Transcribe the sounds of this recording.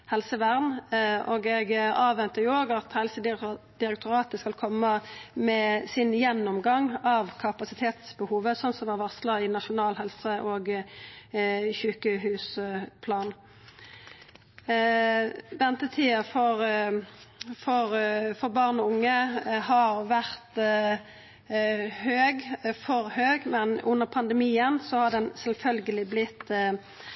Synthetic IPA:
hɛlsəʋæʁnʔɔɡɛɡɑːʋɛnt̪əjʊoːɡɑt̪hɛlsəd̪d̪̥ɪɾɛk̚t̪ʰʊɾɑːt̪əskɑlkʰɔmːəmɛsɪnjɛnːɔmɡɑŋɑʋkʰɑpɑsɪt̪ʰeːt̪sbəhuːʋəsɔnsɔmɑʁʋɑsləɪnɑʃʊnɑːlhɛlsəʔɔːɡ | çʉːkəɦʉːspʰlɑːn | d̪ɛnt̪ət̪ʰiːəfɔʁ | fɔʁfɔʁbɑʁnɔʊŋːəhɑʁʋæʁt̪ | høːɡfɔʁhøːɡmɛnʉnːəʁpʰɑnd̪əmiːənsɔhɑɖ̪ɛnsɛlfœlɡəlɪblɪt̪ː

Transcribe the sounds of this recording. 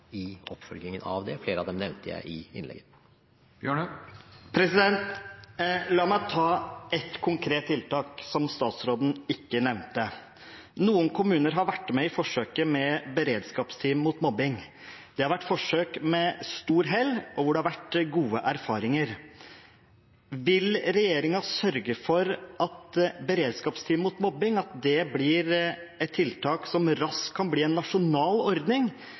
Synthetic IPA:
ɪɔpfœlɡ̪ɪŋənɑ̰ʋd̪ɛfleːɾəɑ̰ʋd̪ɛmnɛʋnt̪əjæ̰ɪʔɪɪ̰nɛ̰ɡə | jøɳpʰɾɛsɪd̪ɛnt̪ | lɑːmæɪt̪ʰɑːɛt̪kʰʊŋkʰɾeːt̪ʰːɪlt̪ɑːksɔmst̪ɑːt̪sɾoːd̪n̩ɪkːənɛʋnt̪ə | nuːənkʰʊmʉːnəɾɦɑɾʋæʈːmɛɪfɔʂøːkəmɛbəɾeːd̪skɑːpst̪ʰiːmmuːt̪mɔbɪŋ | d̪̥ɛhɑɾʋæʈːfɔʂøːkmɛst̪uːɾɦɛlːɔʋʊɖɛhɑɾʋæʈɡuːəʔæɾfɑːɾɪŋəɾ | ʋɪlɾɛjeːɾɪŋɑsœɾɡəfɔɾʔɑt̪bəɾeːd̪skɑːpst̪ʰiːmmuːt̪mɔbɪŋɑt̪̚d̪ɛbliːɾɛt̪t̪ʰːɪlt̪ʰɑːksɔmɾɑskʰːɑnbliːɛnːɑʂʊnɑːlɔɾd̪nɪŋ

